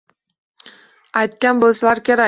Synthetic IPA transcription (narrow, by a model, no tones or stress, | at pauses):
ajt̪̚kʲanbolˠsalˠaɾkʲʰeɾa